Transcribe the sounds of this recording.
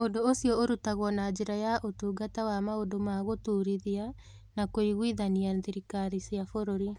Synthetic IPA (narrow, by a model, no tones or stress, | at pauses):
ondoosiɔoɾutaɣɔnad͡ʒeɾajaʔotuːɡatawamaodomaɣotuːɾiðia | nakoiɣwiðanianðiɾikaɾisiafoɾoɾi